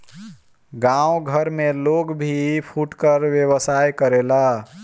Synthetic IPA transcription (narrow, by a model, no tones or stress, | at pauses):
ɡãwɡʱəɾmeloɡbʱipʰuʈkəɾʋjewəsajkəɾela